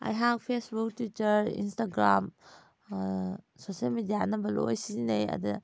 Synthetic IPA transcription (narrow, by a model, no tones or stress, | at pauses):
a̰jɦaɡpʰesbuktitɐɾḭnstaɡɾam | sosialmidijanɐbɐlo̰jsinejɐ̰d̪u